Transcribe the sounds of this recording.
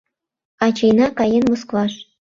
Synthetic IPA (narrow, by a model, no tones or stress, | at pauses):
ɑt͡ɕejnɑkɑjenmosklɑʃ